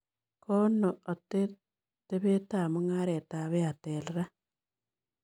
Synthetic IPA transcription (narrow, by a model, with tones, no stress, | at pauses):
kʰo˦noo˨te | te˦βe˦ta˨mo˦ŋa˦ɾe˨ta˨βe˦ate˨leɾa˦